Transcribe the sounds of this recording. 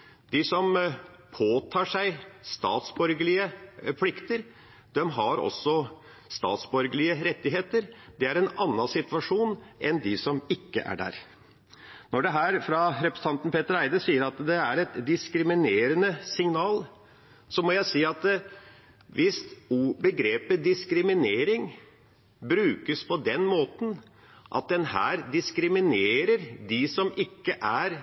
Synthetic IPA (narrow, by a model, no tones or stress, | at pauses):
d̪̥ɪsɔm | pʰoːt̪ʰɑːʂæɪst̪ɑ̰ːt̪sbœɾɡəlɪəpʰlɪkt̪əɾ | d̪̥ɛmɦɑɾɔ̰sːɔ | st̪ɑ̰ːt̪sbœɾɡəɭɪəɾɛt̪ːɪɦeːt̪əɾd̪ɛæɾɛnɑnːɑsɪt̪ʋɑʂuːnʔɛnd̪ɪsɔmɪkːə̰ʔæ̰ɖæ̰ːɾ | nɔɖɛɦæːɾfɾɑɾɛpɾəsə̥ɑnt̪n̩pʰeːt̪əɾæɪd̪əsiːəɾɑt̪d̪ɛæɾɛt̪d̪ɪskɾɪmɪneːɾənəsɪŋnɑːl | sɔmɔjæɪsiːɑt̪̚d̪ | ʋɪst̪uːbəɡɾeːpəd̪ɪskɾɪmɪneːɾɪŋ | bɾʉːkəspʰɔd̪ɛnmoːt̪n̩ | ʔɑ̰t̪̚d̪ɛnhæ̰ːɾd̪ɪskɾɪmɪneːɾəɾd̪ɪsɔmɪkːəʔæɾ